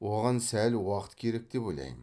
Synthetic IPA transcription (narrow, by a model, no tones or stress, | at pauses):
woʁɑnsælwɑqət̪kʲʰe̞ɾek̚d̪̥epojlˠɑ̰jm